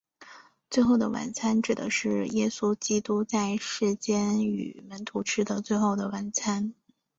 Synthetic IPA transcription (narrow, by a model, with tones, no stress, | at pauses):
t͡swe˥˧ɪxo˥˩ʊd̪ə˩wa̰˨˩nt͡sʰa˥nʈ͡ʂɻ̩˨˩d̪ə̰˧˦ʂɻ̩˥˩jɛ˥su˥t͡ɕi˥t̪u˥t͡sa˥˧ɪʂɻ̩˥˩t͡ɕjɛ˥ny̰˨˩mə˧˥nt̪ʰu˧˥ʈ͡ʂʰɻ̩˥d̪ə˨t͡swe˥˧ɪxo˥˩ʊd̪ə˩wa˧˥nt͡sʰa˥n